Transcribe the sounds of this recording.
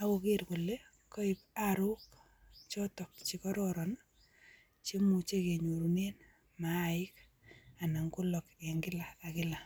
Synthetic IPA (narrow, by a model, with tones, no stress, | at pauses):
a˦kʊ˨kɪ˦ɾkʊ˨lːe˦ | kɔ˦ɪp̚aɾʊ˦k | t͡ʃɔ˦tɔ˨k̚t͡ʃi˨kɔ˦ɾɔɾɔn | t͡ʃe˦mu˨t͡ʃe˦ke˨ɲo˨ɾu˨ne˦n | ma˨ɪ˦k̚ | a˨na˨ŋkʊ˦lɔ˨kɛ˨ŋɡɪ˦laː˨kɪ˦la˨